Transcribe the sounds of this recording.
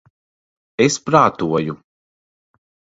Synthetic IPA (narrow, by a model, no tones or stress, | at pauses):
espɾaːt̪uɔju